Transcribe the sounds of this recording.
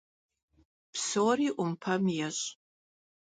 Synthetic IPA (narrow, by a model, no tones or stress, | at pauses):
psoriʔʊmpʰɐmjaɕʼ